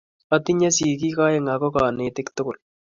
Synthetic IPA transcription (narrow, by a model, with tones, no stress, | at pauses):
a˨ti˦ɲa˦si˨k̬i˦ka˦ɪ˦ŋa˨kɔ˦ka˨ne˨tɪ˦ktʊ˦kʊ˨l